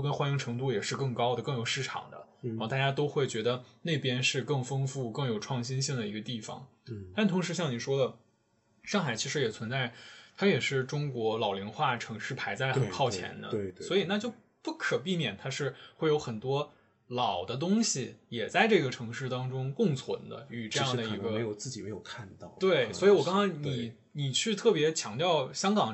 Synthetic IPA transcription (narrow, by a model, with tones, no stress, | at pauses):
kə˥nxwa˥ni˧˥ŋʈ͡ʂʰɤ˧˥ŋt̪u˥˩jɛ˨˩ʂɻ̩˥˧kɤ˥˩ŋkɑ˥ʊd̪ə˨˧kɤ˥˩ŋjo˨˩ʊʂɻ̩˥˩ʈ͡ʂʰɑ̰˨˩ŋd̪ə̰˦˥˧t̪a˥˩t͡ɕja˥t̪o˥ʊxwe˥˩ɪt͡ɕɥɛ˧˥d̪ə˧ne˥˩ɪpjɛ˥nʂɻ̩˥˧kɤ˥˩ŋfɤ˥ŋfu˥˧kɤ˥˩ŋjo˨˩ʊʈ͡ʂʰwɑ˥˩ŋɕi˥nɕi˥˩ŋd̪ə˩i˧˥ɡə˧t̪i˥˩fɑ̰˨˩ŋ | t̪a˥˩nt̪ʰʊ˧˥ŋʂɻ̩˧˥ɕjɑ˥˩ŋni˨˩ʂwɔ˥d̪ə˨ | ʂɑ˥˩ŋxa˨˩ɪt͡ɕʰi˧˥ʂɻ̩˧˥jɛ˨˩t͡sʰwə˧˥nt͡sa˥˩ɪt̪ʰa˥jɛ˨˩ʂɻ̩˥˩ʈ͡ʂʊ˥ŋkwɔ˧˥lɑ˨˩ʊlji˧˥nxwa˥˩ʈ͡ʂʰɤ˧˥ŋʂɻ̩˥˩pʰa˧˥ɪt͡sa˥˩ɪ˨ə˩kʰɑ˥˩ʊt͡ɕʰjɛ̰˧˥nd̪ə̰˧swɔ˧˥i˨˩na˥˧t͡ɕjo˥˧ʊ | pu˥˩kʰɤ˨˩p̬i˥˩mjɛ˨˩nt̪ʰa˥ʂɻ̩˥˧xwe˥˩ɪjo˧˥ʊxə˨˩nt̪wɔ˥ | lɑ˨˩ʊd̪ə˦t̪̬ʊ˥ŋɕi˨jɛ˨˩t͡sa˥˧ɪʈ͡ʂɤ˥˩ɡə˩ʈ͡ʂʰɤ˧˥ŋʂɻ̩˥˩t̪ɑ˥ŋʈ͡ʂʊ˥ŋkʊ˥˩ŋt͡sʰwə̰˧˥nd̪ə̰˧y˨˩ʈ͡ʂɤ˥˧jɑ˥˩d̪ə˧˩i˧˥ɡə˧˥jo˨˧ʊt͡sɹ̩˥˩t͡ɕi˨˩me˧˥ɪjo˨˩ʊkʰa˥˧nt̪ɑ˥˩ʊt̪we˥˩ɪswɔ˧˥i˧˥wɔ˨˩kɑ˥ŋkɑ˥ŋni˨˩ | ni˨˩t͡ɕʰy˥˧t̪ʰɤ˥˩pjɛ˧˥t͡ɕʰjɑ˧˥ŋt̪jɑ˥˩ʊɕjɑ˥ŋkɑ˨˩ŋ